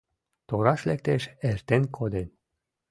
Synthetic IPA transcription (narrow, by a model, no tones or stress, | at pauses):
t̪oɾɑʃlɛk̚t̪eʃɛrt̪enkʰod̪enʲ